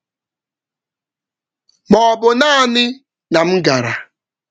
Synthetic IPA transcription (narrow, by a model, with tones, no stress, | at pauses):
mɔ˨bʊ˨na˦˨nɪ˦ | na˨m̩˦ɡa˨ɾa˨